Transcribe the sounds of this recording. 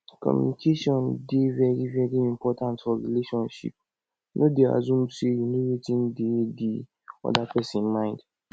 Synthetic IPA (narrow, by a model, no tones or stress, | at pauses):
kʰɔ̰mjṵnikʰeʃiɔ̃ndɪvɛɾivɛɾiĩmpʰɔtʰãntfɔɾileʃɔ̃nʃḭp̚ | nʔodea̰zũm̩siejinõɾetʰĩndedi | ɔ̰dapʰɛsĩnmãɪ̃nd